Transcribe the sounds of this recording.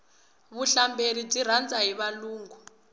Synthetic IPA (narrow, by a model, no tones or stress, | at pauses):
βuɬambʱelidiɾ̤and͡zʼaɦiβaluːŋɡʱu